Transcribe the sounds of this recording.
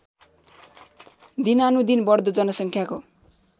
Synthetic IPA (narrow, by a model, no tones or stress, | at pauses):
d̪inanud̪inbʌrd̪ʌd͡zʌnʌsʌŋkʰjako